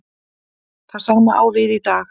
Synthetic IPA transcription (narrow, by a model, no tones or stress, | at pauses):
θað̥saɣmaʔa̰wvɪðit̪aːx